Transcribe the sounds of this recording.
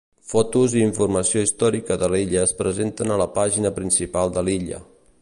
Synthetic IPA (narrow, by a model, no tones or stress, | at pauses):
fɔt̪uziːɱfurməsioist̪ɔɾikəðəliʎəːspɾəzent̪ənələpaʒinəpɾinsipalˠd̪əliʎə̰